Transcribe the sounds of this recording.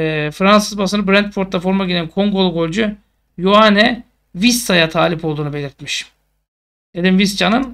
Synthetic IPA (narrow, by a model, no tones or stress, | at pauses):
fɾansɯzbas̬ɯnɯbɾɛnt̪foɾt̪ːafo̞ɾmaɟilʲænkʰo̞ŋɡo̞lˠuɡo̞lʲd͡ʒu | juanɛ | visːajat̪ʰaːlʲipʰo̞lˠd̪uːnube̞lʲiɾt̪miʃ | d̪ed̪imvist͡ʃʰanɯn